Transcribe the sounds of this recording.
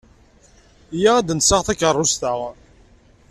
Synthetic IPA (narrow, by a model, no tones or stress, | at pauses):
jaæd̪ənsaʁθækərˤːʊst̪əʁ